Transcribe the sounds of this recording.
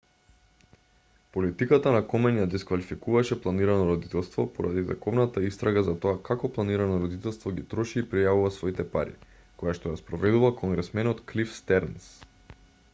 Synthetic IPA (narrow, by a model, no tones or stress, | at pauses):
polit̪ikat̪anakɔmɛnjad̪ɛskvalifikuvaʃɛplˠaniɾanɔɾɔd̪it̪ɛlˠst̪vɔpɔɾʔa̰d̪izɛ̰kɔvnat̪aist̪ɾaɡazat̪ɔakakɔplˠaniɾanɔɾɔd̪it̪ɛlˠst̪vɔɡit̪ɾɔʃiːpɾijavuvasvɔit̪ɛpa̰ɾḭ | kojaʃt̪ɔjaspɾɔvɛd̪uvakʰɔŋɡɾɛsmɛnɔt̪klifst̪ɛɾns